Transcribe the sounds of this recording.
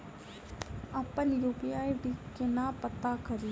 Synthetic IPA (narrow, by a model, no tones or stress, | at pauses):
əpːənjuːpijaːiɖiːkɪnaːpət̪akəɾiː